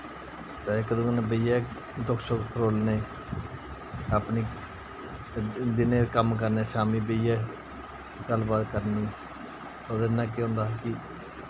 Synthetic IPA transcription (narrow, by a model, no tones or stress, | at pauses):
t̪aːkəd̪õːnẽbəɪjaː | d̪ʊkʰsokpʰɾoːlneː | aːpniː | d̪ɪneːkəmk̬əɾneːʃaːmiːbəɪjaː | ɡəlbaːd̪kəɾniː | oːd̪enːãːk̬ɪõːnd̪aːkɪ